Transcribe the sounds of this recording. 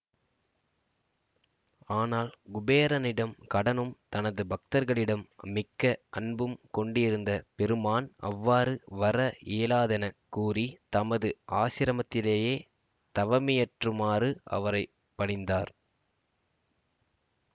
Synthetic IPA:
aːnaːlɡʊbeːɾɐnɪɽɐmkɐɽɐnɯmt̪ɐnɐðɯbʱɐk̚t̪ɐɾɣɐɭɪɽɐmːɪkːɐʔɐɳbɯmkɔɳɖɪɾɯnd̪ɐpɛɾɯmaːnɐ̰ʋːaːɾɯʋɐɾɐʔeːlaːðɐnɐkːuːrit̪ɐmɐðɯʔaːʃɪɾɐmɐt̪ːɪleːjeː | t̪ɐʋɐmɪjɐʈrɯmaːrɯʔɐ̰ʋɐɾɐɪ | pːɐɳɪnd̪aːɾ

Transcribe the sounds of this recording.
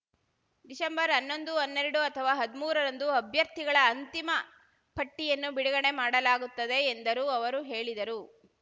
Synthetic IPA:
d̪isɐmbɐɾɐnːo̞nd̪uonːeɾɐɽuɐt̪ʰɐʋaːɦɐd̪imuːɾɐɾɐnd̪uɐbʱjɐɾt̪iɡɐɭɐːnt̪imɐ | pʰɐʈːijɐnːubiɽɐɡɐɳe̞maːɽɐlaːɡut̪ːɐd̪e̞ːnd̪ɐɾuɐʋɐɾuɦe̞ːɭid̪ɐɾu

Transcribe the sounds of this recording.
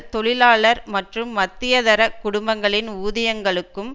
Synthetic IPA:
t̪ɔɭɪlaːɭɐɾmɐʈrɯmːɐt̪ːɪjɐðɐɾɐkʊɽʊmbɐŋɡɐɭɪnuːðɐjɐŋɡɐɭɯkːɯm

